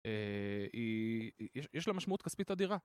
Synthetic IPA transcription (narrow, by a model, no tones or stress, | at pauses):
eijeʃjʔeʃlamaʃmaut̪kaspit̪ad̪iʁa